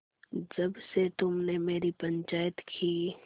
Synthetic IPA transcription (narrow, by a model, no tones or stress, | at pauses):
d͡ʒɐbset̪ʊmnemeːɾipɐ̃ɲt͡ʃaːjət̪kʰi